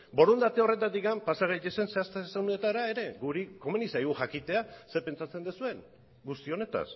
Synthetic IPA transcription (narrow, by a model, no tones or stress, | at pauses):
bo̞ɾund̪at̪eo̞re̞t̪at̪ikampasaɣejt̪e̞se̞nse̞ast̪eseɣunet̪aɾae̞ɾe̞ɡuɾiko̞menisajɣuxakit̪e̞ase̞pe̞nt͡sat͡se̞nd̪esue̞n | ɡust̪io̞ne̞t̪a̰s